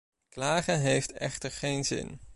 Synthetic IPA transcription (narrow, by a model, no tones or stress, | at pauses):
klaːχəɦejftɛ̰χtəɹχejnzɪ̰n